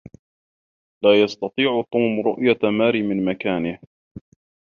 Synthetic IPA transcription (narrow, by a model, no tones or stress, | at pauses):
laːjɑst̪ɑt̪ˤiːʕʊt̪ˤuːmɾʊʔjamaːɾiːmɪnmakaːnɪh